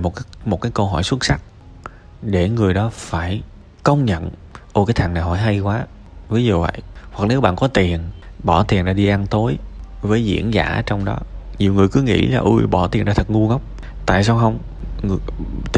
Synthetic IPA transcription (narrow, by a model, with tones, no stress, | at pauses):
mo˨t̚kːmo˨˩t̚kaː˨˦jkə˧wɦɔ˧˩jswə˦˥t̚sa˦˥t̚ | ɗe˧˩ŋɨ˨˩əjɗɔ˨˦faː˧˩j | kə˧wŋ͡mɲə̰˧˨nʔo˧˩kaː˨˦jt̪ʰa˨˩na˨˩ɦɔ˧˩jɦa˧jkwaː˨˦ | vəː˨˦jzo˨˩və̰˧˨jhwa˨˩k̚ne˨˦wɓa̰ː˧˨nkɔ˨˦t̪i˨˩ənɓɔ˧˩t̪i˨˩ənɗaː˧ɗi˧ʔa˧nt̪o˨˦jvəː˨˦jzḭ˧˥ənza̰ː˧˩ə˧˦t͡ɕɔ˧wŋ͡mɗɔ˨˦ɲi˨˩əwŋɨ˨˩əjkɨ˨˦ŋḭ˧˥laː˨˩ʔɨ˧jɓɔ˧˩t̪i˨˩nɗaː˧˩t̪ʰə˨˩ŋu˧ŋə˦˥wk͡p̚ | t̪a̰ː˧˨jsaː˧wxə˧wŋ͡m | ŋ˨